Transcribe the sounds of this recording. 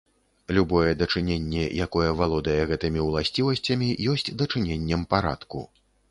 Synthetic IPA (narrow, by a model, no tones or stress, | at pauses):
lʲubɔjɛd̪ɐt͡ʂɨnʲenʲːɛjakɔjɛvalˠɔd̪ɐjɛɣɛt̪ɨmʲiwlˠasʲt͡sʲivɐsʲt͡sʲɐmʲijɔsʲt͡sʲd̪ɐt͡ʂɨnʲenʲːɛmpaɾa̰t̪kṵ